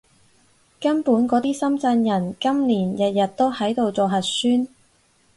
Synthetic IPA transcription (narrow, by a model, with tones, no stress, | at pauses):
kɐ˥npuː˨˥nkɔː˨˥t̪iː˥sɐ˥mt͡sɐ˧njɐ˨˩nkɐ˥mliː˨˩njɐ˨t̚jɐ˨t̚t̪ːo˥whɐ˨˥jt̪o˨˧wt͡sɔː˨ɦɐ˨t̚syː˥n